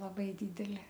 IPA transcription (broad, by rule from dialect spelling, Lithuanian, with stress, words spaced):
lˠɐˈbɐɪ ˈdʲiːdʲɛlʲɪ